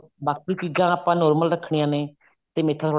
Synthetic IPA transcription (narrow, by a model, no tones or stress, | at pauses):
baːkpɾiːkɪɡãːaːpãːnɔːɾməlɾəkʰɳijãːneː | t̪eːmeːt̪ʰːãːt̪ʰo